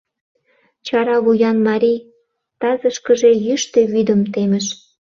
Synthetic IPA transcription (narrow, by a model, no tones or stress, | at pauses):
t͡ɕɑɾɑβujɑnmɑɾʲij | t̪ɑzəʃkə̆ʒejyʃt̪eβyd̪ə̆mt̪eməʃ